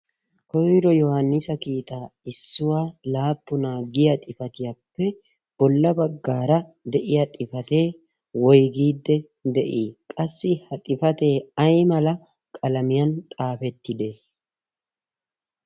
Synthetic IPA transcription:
kɔjɾɔjɔhɐnːɪsɐkiːt̪ʼaːɪsːʊwaːlaːpːʊnaːɡɪjɐt̪ʼɪfɐt̪ɪjapːɛ | b̥ɔlːɐbɐɡːaːɾɐd̪ɛʔɪjɐt̪ʼɪfɐt̪e̞ː | wɔjɡiːd̪ːɛ | d̪ɛʔiːkʼɐsːɪhɐt̪ʼɪfɐt̪e̞ːɐjmɐlɐ | kʼɐlɐmɪjɐnt̪ʼaːfɛt̪ːɪd̪e

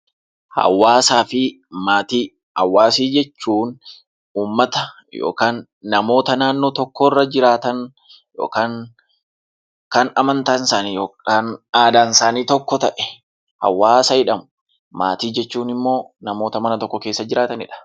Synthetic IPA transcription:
hɐ̰wːaːsaːfɪ | maːt̪iː | hɐ̰wːaːsiːd͡ʒɛt͡ʃːuːn | uːmːɐt̪ɐ | jo̰ːkaːnː | ɐmo̞ːt̪ɐnaːnːoːt̪ɔkːɔrːɐd͡ʒɪɾaːt̪ɐn | jo̰ːkaːŋ | kɐnɐmɐnt̪ɐnsaːnijoːɐnaːd̪aːnsaːniːt̪ɔkːɔt̪ɐʔɛ̥ | hɐ̰wːaːsɐɪᶑɐmʊ | ma̰ːt̪iːd͡ʒɛt͡ʃːuːnɪmːo̞ːnɐmo̞ːt̪ɐmɐnɐt̪ɔkːɔke̞ːsːɐd͡ʒɪɾaːt̪ɐnɪ̰ᶑɐ̥

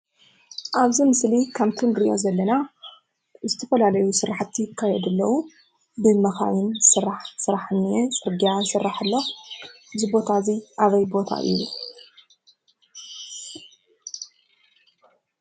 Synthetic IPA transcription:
ʔaβzimɨslikʰaβt̪ʰunɡɾiʔjo̞̰zɐlːɐna | zɨt̪ʰɐfɐlalɐjusɨɾaħt̪ʰːjɪkʰːajɛd̪ɨlːɐwu | bɨmɐxa̰jɪnsɨɾaħsɨɾaħɨnːiet͡sʼɨɾɡijasɨrːaħɨlːox | bzɨbo̞t̪ʰaziʔaβɐjbo̞t̪ʰa̰ʔɨ̰ju

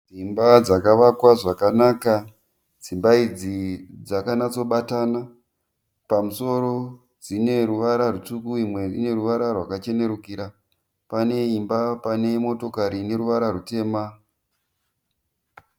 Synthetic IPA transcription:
d͡zimbad͡zakaʋakwaʐakanaka | d͡zimbaid͡zid͡zakanat͡so̞ɓatana | pamuso̞ɾo̞ | d͡zine̞ɾuʋaɾarut͡sukuimwe̞ine̞ɾuʋaɾarwakat͡ʃe̞ne̞ɾukiɾa | pane̞imbapane̞mo̞to̞kaɾine̞ɾuʋaɾarute̞ːma

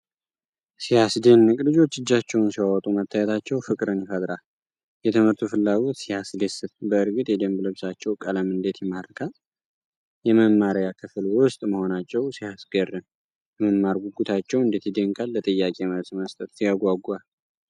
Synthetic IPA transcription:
sijasd̪enːɨkʼlɨd͡ʒo̞t͡ʃːɨd͡ʒːat͡ʃːɛwnsiwawɔt̪ʼumət̪ʰːajɛt̪ʰat͡ʃːɛwfɨkʼɾɨnfad̪ɾa | jɛt̪ʰəmɨɾt̪ʰufɨlːaɡo̞t̪sijasd̪esɨt̪bəɨɾɡɨt̪ʼjɛd̪əmblɨβsat͡ʃːɛwkʼələmɨnd̪et̪jɛmaɾkʰa | jɛməmːaɾjakʰɨfɨlwʊst̪ʼməho̞nat͡ʃːɛwsihasɡərːɨn | jɛməmːaɾɡuɡut̪ʰat͡ʃːɛwɨnd̪et̪jid̪əŋkʼalːət̪ʼəjːakʼeməβsməst̪ʼət̪sijaɡʷaɡal

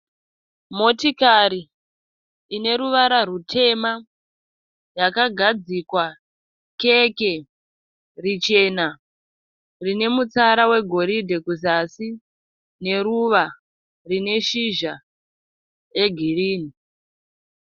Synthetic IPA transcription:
mo̞tikaɾiː | ne̞ɾuʋaɾarutʰe̞ma | jakaɡʱad͡zikwa | keke̞ | rit͡ʃe̞na | rine̞mut͡saɾawe̞ɡʱo̞ɾidʱekuzasi | ne̞ɾuʋa | rine̞ʃiʒa | eɡʱiriːni

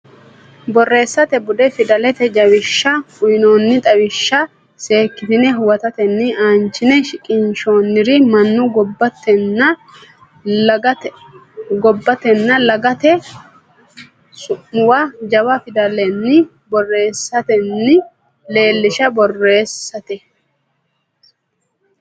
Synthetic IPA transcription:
bɔrːe̞ːsːɐt̪ɛbʊd̪ɛfɪd̪ɐlɛt̪ɛd͡ʒɐwɪʃːɐkʊjnoːnːɪt̪ʼɐwɪʃːɐ | se̞ːkːɪt̪ɪnɛɦʊwɐt̪ɐt̪ɛnːɪaːnt͡ʃːɪnɛʃɪkʼɪnʃo̞ːnːɪɾɪmɐnːʊɡɔbːɐt̪ːɛnːɐ | ɡɔbːɐt̪ɛnːɐlɐɡɐt̪ɛ | sʊʔʊwad͡ʒɐbɐfɪd̪ɐlɛnːɪ | bɔrːe̞ːsːɐt̪ɛnːɪ | le̞ːlːɪʃɐbɔrːe̞ːsːɐt̪ɛ

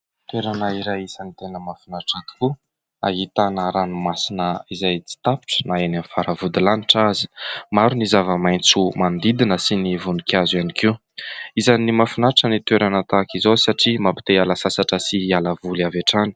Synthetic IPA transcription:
t̪eɾanəiɾajisanit̪enəmafunaʈ͡ʂat̪i̥ku | a̰ɦit̪anəɾanumasinəizajt͡si̥t̪api̥ʈ͡ʂə̥naenamfaɾəvud̪ilaniʈ͡ʂazi̥maɾunizavəmajnt͡sumand̪id̪inəsinivunikʰʲazwianikiw | izanimafinaʈ͡ʂənit̪weɾanət̪akizosaʈ͡ʂimapi̥t̪ealasasaʈ͡ʂəsialəvuliaveʈ͡ʂani̥

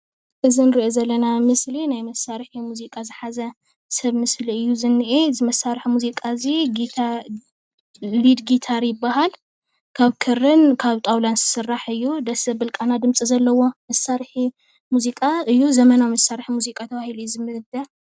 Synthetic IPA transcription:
ʔɨzinɨɾiʔozɐlːɐnamɨslinajmɐsːaɾħimuzikʼazɨħazɐ | sɐβmɨsliɨjːuzɨnːiʔezɨmɐsaɾħmuzikʼaziɡit̪ʰa | lid̪ɡit̪ʰaɾjɪbːahal | kʰaβkʰɨɾːɨnkʰaβt̪ʼawlansɨ̥sɨrːaħɨjːud̪ɐsɐbɨlkʼanad̪ɨmt͡sʼizɐlːɐwo̞mɐsːaɾħi | muzikʼaɨjːuzɐmɐnawmɐsːaɾħimuzikʼat̪ʰɐβahilujuzɨmːɨhɨd̪ɐ

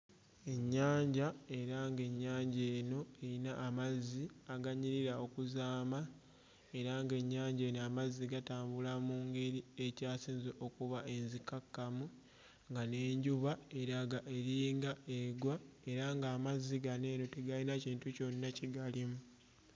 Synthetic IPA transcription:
e̞ɲːaːɲɟae̞ɾaŋɡe̞ɲːaːɲɟe̞ːno̞einaʔːmazːiaɡaɲiɾiɾao̞kuzaːma | e̞ɾaŋɡe̞ɲːaːɲɟeːnoamazːiɡataːmbulamuːŋɡe̞ɾie̞caːsiːnzeʔo̞kuβaʔe̞nzikakːamu | ŋɡane̞ːɲɟuβae̞ɾaɡaʔe̞ɾiːŋɡaeɡwae̞ɾaŋɡaːmazːiɡane̞ːno̞teɡalinaciːntuco̞nːaciɡalimu

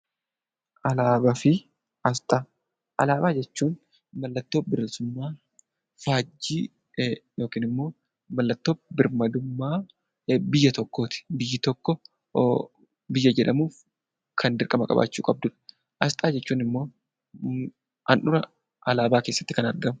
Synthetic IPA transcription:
ʔɐlaːbɐfɪ | ɐst̪ʼaː | ʔɐlaːbaːd͡ʒɛt͡ʃːuːn | mɐlːɐt̪ːo̞ːbɪɾlsʊmːaː | faːd͡ʒːiː | joːkiːnɪmːo̞ː | mɐlːɐt̪ːo̞ːbɪɾmɐd̪ʊmːaː | bɪjːɐt̪ɔkːoːt̪ɪ̥bɪjːɪt̪ɔkːɔ | bɪjːɐd͡ʒɛᶑɐmuːf | kʰɐnd̪ɪɾkʼɐmɐkʼɐ̰ba̰ːt͡ʃːṵːkʼɐb̚d̪ʊᶑɐ̥ | ʔɐst̪ʼaːd͡ʒɛt͡ʃːuːnɪmːo̞ː | ɐnʔʊɾɐ | ʔɐlaːbaːkeːsːɐ̥t̪ːɪkɐnɐɾɡɐmʊ

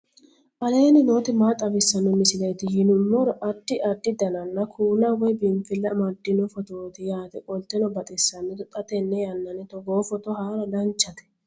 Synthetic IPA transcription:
ʔɐleːnɪnoːt̪ɪmaːt̪ʼɐbɪsːɐnʊmɪsɪlɐjt̪ɪjɪnʊmːɔɾɔʔɐd̪ːɪʔɐd̪ːɪd̪ɐnɐnːɐkʰuːnɐwɔjbɪmfɪlːɐmɐd̪ːɪnʊfɔt̪oːt̪ɪjaːt̪ɛkʼɔlt̪ɛnɔbɐt̪ʼɛsːɐnːɛd̪ɔt̪ʼɐt̪ɛnːɛjɐnːɐnɪt̪ɔɡoːfɔt̪ɔhaːɾɐd̪ɐnt͡ʃːɐt̪ɛ̥

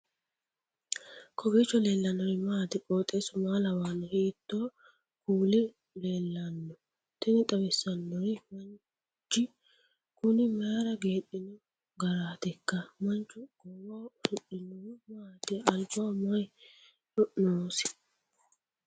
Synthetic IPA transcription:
kʰɔɡiːt͡ʃːɔle̞ːlːɐnɔɾɪmaːt̪ɪkʼoːt̪ʼeːsʊmaːlɐwaːnɔhiːt̪ːoː | kʰuːlɪ | le̞ːlːɐnːɔ | t̪ɪnɪt̪ʼɐwɛsːɐnːɔɾɪmɐn | t͡ʃːɪ | kʊnɪmaaɾɐɡe̞ːɗːɪnɔ | ɡɐɾaːt̪ɛkːɐmɐnt͡ʃːʊɡ̥ɔwaːʃʊɗɪnːɔmaːt̪ɪɐlbomɐj | hɔʔnoːsɪ̥

